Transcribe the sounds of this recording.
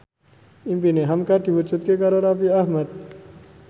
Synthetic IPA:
impineɦɐmkaʈ̪iʋut͡ʃut̪̚kekaɾoɾapiaɦməd̪̚

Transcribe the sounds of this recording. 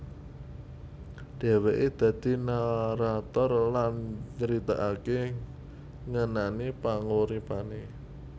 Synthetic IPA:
ɖ̥ɛ̤weʔed̪̥ä̤d̪̥i̤naɾat̪ɔrlant͡ʃəɾit̪aʔake | ŋənanipaŋoɾipane

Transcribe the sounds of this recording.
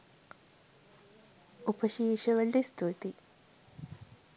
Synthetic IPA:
upɐʃiːʃɐʋɐɭːist̪ʰut̪i

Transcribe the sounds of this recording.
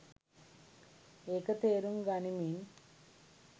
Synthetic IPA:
ekɐt̪eːɾumɡanimiːn

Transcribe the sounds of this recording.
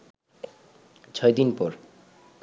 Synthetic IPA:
t͡ɕʰɔjd̪inpɔɾ

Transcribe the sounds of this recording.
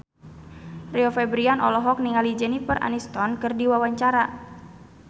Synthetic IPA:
rɛɔfɛbɾianʔɔ̰lɔɦɔk̚niŋalid͡ʒɛnifərʔa̰nist̪ɔnkɨrdiwawaɲt͡ʃaɾa

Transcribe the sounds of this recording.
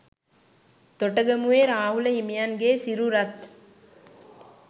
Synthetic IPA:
t̪oʈəɡəmuʋeːɾaːɦuləɦimijanɡeːsiɾuɾɐt̪

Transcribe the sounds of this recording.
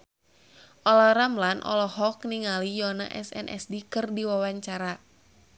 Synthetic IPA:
ʔɔlɔɾamlanʔɔ̰lɔɦɔk̚niŋalijɔna̰ʔɛsɛ̰nʔɛ̰sdikɨrdiwawaɲt͡ʃaɾa

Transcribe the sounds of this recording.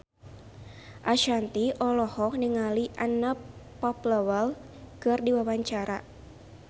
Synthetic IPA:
ʔaʃant̪iʔɔlɔhɔk̚niŋaliʔanəpː | ɔpləwəl | kərdiwawaɲt͡ʃaɾa

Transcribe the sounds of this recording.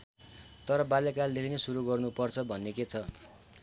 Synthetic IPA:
t̪ʌɾʌbalekald̪ekʰinesuɾuɡʌrnupʌrt͡sʰʌbʱʌnːeket͡sʰʌ

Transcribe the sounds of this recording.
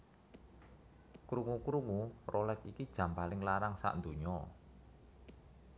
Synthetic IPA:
kɾuŋukɾuŋurʔolɛkikid̥ʒ̥a̤mpalɪŋlaɾaŋsa̰ʔnd̪o̤ɲɔ

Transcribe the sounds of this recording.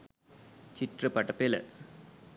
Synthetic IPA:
t͡ʃɪʈrɐpɐʈːɐpːeːlɐ̰

